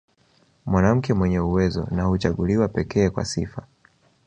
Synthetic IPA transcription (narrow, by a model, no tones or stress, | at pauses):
mwanam̩kɛmwɛɲɛuwɛzɔ̰nahut͡ʃaɠuliwapɛkɛːkwa̰sifa